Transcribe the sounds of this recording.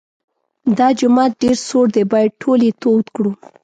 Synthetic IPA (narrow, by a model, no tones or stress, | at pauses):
d̪ɑd͡ʒʊmɑt̪̚ɖeɾsoɽd̪ebɑjaʈʰolet̪ot̪kɽu